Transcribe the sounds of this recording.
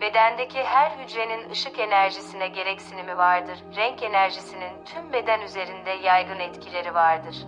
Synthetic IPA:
be̞d̪ænd̪ecʰiɦæɾhyd͡ʒɾe̞ninɯʃɯke̞næɾʒisinɛɟe̞ɾɛcsinimivaɾd̪ɯɾ̥ːɛɲce̞næɾʒisinint̪ʰymbe̞d̪ænyze̞ɾind̪ɛjajɡɯnɛt̪cʰilʲe̞ɾivaɾd̪ɯɾ̥

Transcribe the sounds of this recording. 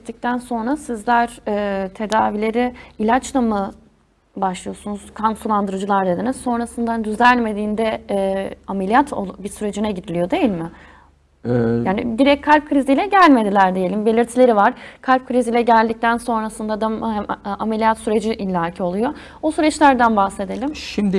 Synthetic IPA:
t̪ːic̚t̪ʰænso̞nɾasizlʲæɾ̥ɛːt̪ʰe̞d̪aːvilʲe̞ɾiilʲat͡ʃlˠamɯ | baʃlˠɯjo̞sunuz̥kʰansulˠand̪ɯɾɯd͡ʒɯlˠaɾd̪e̞d̪inizso̞nɾasɯnd̪and̪yzælʲme̞d̪iːnd̪ɛ | amelʲijat̪ʰo̰bisyɾe̞d͡ʒinɛɟid̪ilʲijo̞d̪e̞jilʲmɪ | jaːnḭd̪iɾɛc̚ʲkʰːalʲp̚kʰɾizijlʲɛɟælʲme̞d̪ilʲæɾd̪ejelʲimbelʲiɾt̪ʰilʲe̞ɾivaɾ̥kʰalʲp̚kʰɯɾizilʲɛɟælʲd̪ic̚t̪ʰænso̞nɾasɯnd̪ad̪amʔame̞lʲijat̪syɾe̞d͡ʒiʔilʲːaːcʰio̞lˠujo | osyɾɛt͡ʃlʲæɾd̪ænbahse̞d̪e̞lʲimʃimd̪i

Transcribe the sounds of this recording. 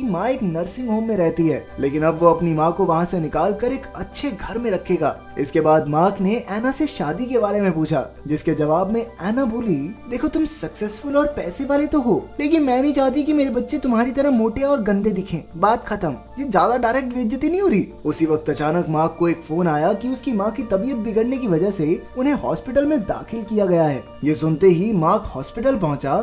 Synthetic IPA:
imãːeːknɐɾsɪ̃ŋɡɦoːmːẽɾɛɦt̪iɦɛ̰ːleːkɪnɐbʋoɐpnimãːkoʋɐɦãsenɪkaːlkɐɾeːkɐtːʃʰeɡʱɐɾmẽɾɐkʰeːɡa̰ː | ɪskebaːd̪mãːkneʔɛːnaseʃaːd̪ikebaːɾemẽpuːt͡ʃʰa̰ːd͡ʒɪsked͡ʒɐʋaːbmẽɛːnabʱuːlid̪eːkʰot̪ʊmsɐksɛːsfʊlɔːɾpɛːseʋaːlet̪oɦoːleːkɪnmɛ̃ːnɐɦĩt͡ʃaːɦt̪̬ikimeːɾebɐtːʃet̪ʊmɦaːɾit̪ɐɾəɦmoːʈeɔːɾɡɐ̃nd̪ed̪ɪkʰẽːbaːt̪xɐt̪əm | jed͡ʒjaːd̪aɖaːɾɛːk̚ʈʋɪd̪jət̪inɐɦĩɦoːɾiːʊsiʋɐk̚t̪ɐt͡ʃaːnəkmãːkːoeːkfoːnaːjakiʊskimãːkːit̪ɐbijət̪̚bʱɪɡəɽnek̬iʋɐd͡ʒəɦseʊnɦẽɦɔːspɪʈəlmẽd̪a̰ːxɪlkijaɡɐjaɦɛ̰ː | jesʊnt̪eɦimãːkhɔːspɪʈəlpɐɦʊ̃t͡ʃa

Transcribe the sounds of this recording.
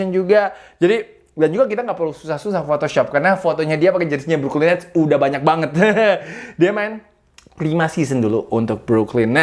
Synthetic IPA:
ənd͡ʒuɡad͡ʒadi | dand͡ʒuɡak̬it̪aŋɡaʔpərlususahsusahfot̪oʃɔp̚karənafot̪oɲadiapakad͡ʒənɪsɲabɾuklinɛt̪udahbaɲak̚baŋət̪̚ | diamaɪn | plimasis̬ənduluʔunt̪ʊk̚bɾuklɪnː

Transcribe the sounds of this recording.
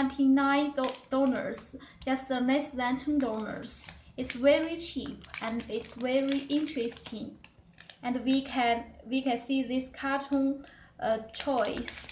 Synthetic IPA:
nãtʰĩnãɪ̃d̥onə̰˞s | d͡ʒʌstðənɛslæ̃ntʰə̃ndonə̰˞sɪtsvɛɹit͡ʃʰipɛ̃nɪtsvɛɹiʔɪ̃ntʰɹɛstʰĩŋ | ʔɛ̃ndwikʰɛ̃nwikʰɛ̃nsiðɪskʰatʰɔ̃n | t͡ʃʰɔɪs

